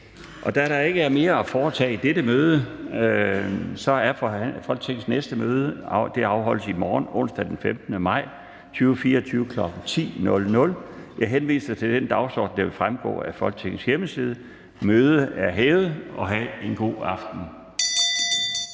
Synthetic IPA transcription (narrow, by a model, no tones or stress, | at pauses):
ʔɒ̽d̥æɾɑ̈e̝ɡ̥əæɐme̝ːɐæfɒːt͡sʰɛ̰ːid̥eɾəmøːð̞ˠə | sɒ̽æɐfɒ̽l̰ɡ̚t͡sʰe̝ɡ̥n̩snesd̥əmøːð̞ˠəd̥e̝ɑ̈ʊɦɒ̽l̰əsimɒːnɔ̽n̰sd̥æd̥enfemd̥nəmɑ̈ɪ̰ | t͡sʰyːʊfiːɐɒt͡sʰyːʊəkʰlɒ̽ɡ̥ŋ̩t͡sʰḭːnɔ̽lnɔ̽ljɑ̈ɪɦenʋḭːst͡sʰe̝ld̥end̥ɑ̈ʊsɒ̰ːd̥n̩d̥eʋe̝fʁamɡ̥ɔ̰ːæfɒ̽l̰ɡ̥̚t͡sʰe̝ɡ̥n̩sjeməsið̞ˠə | møːð̞ˠəæɐɦɛːð̩əʔɒ̽ɦæe̝nɡ̥o̝̰ːɑ̈fd̥n̩